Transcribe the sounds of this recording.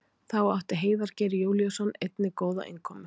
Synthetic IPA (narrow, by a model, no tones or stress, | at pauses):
θawawht̪ɪɦeːjðaɾ̥cɛːɾɪjoːwljasɔnːejt̪nɪkoːwða̰ʔɪ̰nkʰɔːmʏ